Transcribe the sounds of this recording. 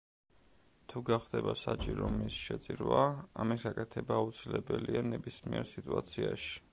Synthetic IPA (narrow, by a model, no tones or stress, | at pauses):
t̪ʰuɡaχd̪ɛbasat͡ʃʼiɾɔmisʃɛt̪sʼiɾwaamisɡakʼɛt̪ʰɛbaːut̪sʰilɛbɛlianɛbismiɛɾsit̪ʼuat̪sʰiaʃi̥